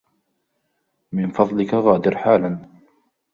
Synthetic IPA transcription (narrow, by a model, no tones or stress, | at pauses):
mɪnfɑðˤlɪkaɣaːd̪ɪɾħaːlan